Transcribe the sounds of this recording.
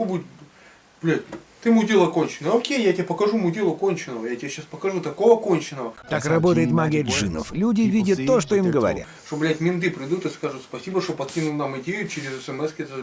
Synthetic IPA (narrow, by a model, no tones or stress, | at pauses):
obudʲ | b̥lʲætʲt̪ɨmʊdʲelˠəkonʲt͡ɕɪnəəokʲejjatʲɪapəkɐʐumʊdʲelˠəkonʲt͡ɕɪnəvəjatʲɪeɕaspəkɐʐut̪ɐko̞vəko̞nʲt͡ɕɪnəvət̪akrɐbo̞t̪əjɪt̪maɡʲɛʐɨnə̰flʲudʲɪvʲidʲət̪ːoʂt̪oimɡəvɐ̰ɾʲa̰t̪ʂt̪oblʲatʲmʲint̪̬ɨpɾʲɪd̪ut̪ɨskaʐɨt̪spɐsʲibəʂt̪opɐt̪kʲinʊlˠnamɪdʲejʊt͡ɕɪɾʲɪzɛsɛmɛskʲet̪ə